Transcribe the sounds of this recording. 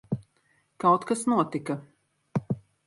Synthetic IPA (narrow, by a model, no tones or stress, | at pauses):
kawt̪kasnuɔt̪ika